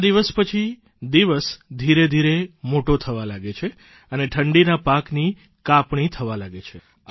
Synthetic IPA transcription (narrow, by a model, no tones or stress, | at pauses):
d̪iʋəspət͡ʃʰi | d̪iʋəsd̪ʱiɾed̪ʱiɾemoʈot̪ʰəʋalaɡet͡ʃʰe | əneʈʰəɳɖinapakni | kapɳit̪ʰəʋalaɡet͡ʃʰe